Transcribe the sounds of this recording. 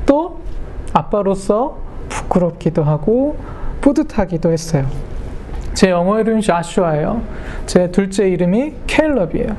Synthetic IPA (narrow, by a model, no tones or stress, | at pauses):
t͈o | ap͈aɾos͈ʰʌpu̥k͈ɯɾʌp̚k͈idoɦaɡo | p͈odɯtʰaɡidohes͈ʌjo | t͡ɕe̞ʌŋʌiɾɯmɕiaɕ͈ʰuaejot͡ɕe̞tuɭt͡ɕ͈e̞iɾɯmikʰeiɭːʌbiḛjo